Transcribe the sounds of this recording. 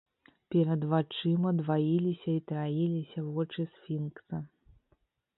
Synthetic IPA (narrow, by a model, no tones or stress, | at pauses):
pʲɛɾɐd̪vat͡ʂɨmɐd̪vajilʲisʲɐit̪ɾajilʲisʲɐvɔt͡ʂɨsfʲinksɐ